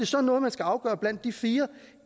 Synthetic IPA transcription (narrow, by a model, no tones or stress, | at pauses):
e̝sɒ̽nːɔ̽ːð̞̩ˠmænsɡ̥æɑ̈ʊɡ̥ɶːɐb̥læn̰d̥ːifiːɐ